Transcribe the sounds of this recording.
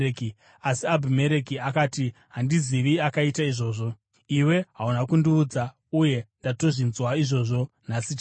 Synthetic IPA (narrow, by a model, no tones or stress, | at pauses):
ki | asiabʱime̞ɾe̞kiakatiɦandiziʋiakaitaiʐo̞ːʐo̞ | iwe̞ɦaunakundiuːd͡za | uje̞ndato̞ʐinzwaiʐo̞ːʐo̞nasit